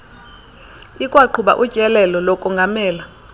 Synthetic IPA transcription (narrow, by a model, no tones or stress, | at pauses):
ikʼwaǃʰuɓa̰ʔu̥t͡ʃʼɛlɛlɔlɔkʼɔŋɡʱamɛːla